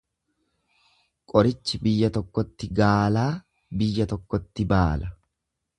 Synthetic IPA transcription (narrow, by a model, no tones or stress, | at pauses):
kʼɔɾɪt͡ʃːɪbɪjːɐt̪ɔkːɔt̪ːɪɡaːlaː | bɪjːɐt̪ɔkːɔt̪ːɪbaːlɐ